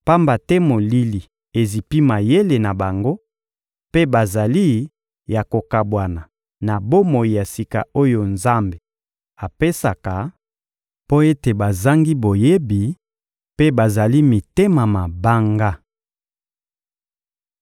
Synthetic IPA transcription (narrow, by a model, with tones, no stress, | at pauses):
pa˦mba˨tɛ˦mo˨li˦li˨ | e˨zi˨pi˦ma˨je˦le˨na˨ba˨ŋɡo˦ | pe˦ba˨za˨li˦ | ja˨ko˨ka˨bwa˨na˨ | na˨bo˦mo˨i˨ja˨si˨ka̰˨o˦jo˨nza˦mbe˨ | a˨pe˦sa˨ka˨ | po˦e˦te˨ba˨za˦ŋɡi˦bo˨je˦bi˨ | pe˦ba˨za˨li˦mi˨te˦ma˨ma˨ba˦ŋɡa˦